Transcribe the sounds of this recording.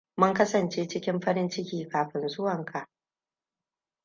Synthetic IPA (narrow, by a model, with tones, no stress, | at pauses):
mʊ˦ŋkɐ˦sɐ˨nt͡ʃeː˦t͡ʃɪ˦kʲɪ˦mɸɐ˦ɾɪ˦nt͡ʃɪ˦kʲiː˨kaː˨ɸɪ˨nzʊ˦wɐ˨ŋkʰa˨ʔ